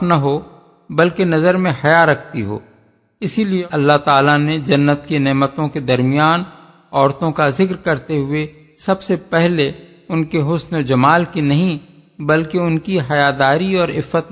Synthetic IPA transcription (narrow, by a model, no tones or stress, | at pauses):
nɐɦo | bɐlkenɐzəɾmẽhɐjaɾɐk̚ʰt̪iɦo̰ː | ɪsilieɐlːaɦt̪aːlaned͡ʒɐnːət̪kenɛːmət̪õked̪ɐɾmɪjaːn | ɔːɾt̪õkazɪkɾkɐɾt̪eɦʊe | sɐbsepɛɦle | ʊnkeɦʊsnod͡ʒɐmaːlkinɐɦĩ | bɐlkeʊnkiɦɐjad̪aːɾiɔːɾɪ̰fːət̪